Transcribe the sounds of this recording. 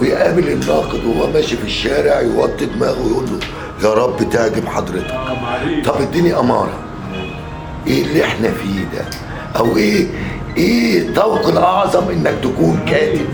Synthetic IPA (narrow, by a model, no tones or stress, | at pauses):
wejʔæbɪlɪnːɑːqɨd̪whowːæmæːʃifiʃːæːɾɪʕjwɑt̪ˤːed̪mæːɣwjʔulːʊ | jɑːɾˤɑbːt̪aʕɡɪbħɑd̪ˤɾɪt̪ɑ̥kt̪ˤɑbʔɪd̪ːinjiʔɑmɑ̰ːɾˤɑ̰ | ʔeːlːeħnæfiːd̪æ̰ | ʔæwʔeː | ʔeːt̪ˤɑwqlʔɑʕzˤɑmʔɪnːæk̚t̪ækuːnkæːʔɪb